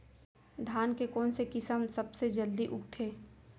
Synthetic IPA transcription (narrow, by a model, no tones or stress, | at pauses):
d̪ʱaːnkekɔːnsekɪsəmsɐbsed͡ʒəld̪iʔʊk̚t̪ʰeː